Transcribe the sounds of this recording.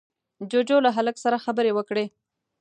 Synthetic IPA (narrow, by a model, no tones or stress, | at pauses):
d͡ʒod͡ʒolaɦaləksaɾaxabəɾewəkɽe